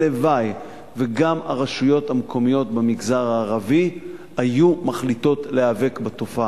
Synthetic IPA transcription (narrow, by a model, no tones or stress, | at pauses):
levaj | veɡamaʁaʃujo̞thamkʰo̞mijo̞tbemiɡzaʁaːʁavi | hajumaχlito̞tleave̞kbato̞fa